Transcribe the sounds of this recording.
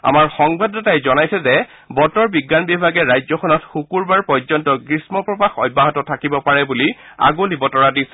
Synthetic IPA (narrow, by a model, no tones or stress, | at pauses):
a̰maɹxɔŋbadɔtajzɔnajsɛzɛ | bɔtɔɹbiɡːanbibʱaɡɛɹajzɔxʰɔnɔtxukuɹbaɹpɔjzɔntɔɡɹismɔpɹɔpaxɔjbːaɦɔtɔtʰakibɔpaɹɛbulia̰ɡolibɔtɔɹadis